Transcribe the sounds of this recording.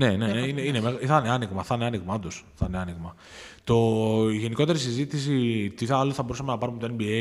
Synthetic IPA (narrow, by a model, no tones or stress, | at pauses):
ne̞neneineinemeɣθɐneɐniɣmɐθɐneɐniɣmɐɐond̪osθɐneɐniɣmɐ | t̪o̞iʝe̞niko̞t̪e̞ɾisizit̪isit̪iθɐloθɐbo̞ɾusɐme̞nɐpɐɾume̞t̪oenbie